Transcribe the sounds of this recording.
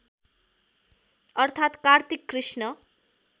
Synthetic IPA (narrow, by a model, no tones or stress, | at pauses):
ʌrt̪ʰat̪kart̪ikːrisnʌ